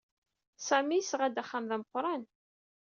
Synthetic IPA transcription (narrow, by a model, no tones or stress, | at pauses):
sæmisʁæd̪æχːamðæməqːɾˤɑn